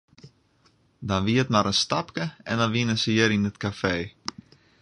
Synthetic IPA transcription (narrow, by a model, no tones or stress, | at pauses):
dɔnʋiətmaɾənstapkəɛndɔnʋinəsəɪəɾinətkafeː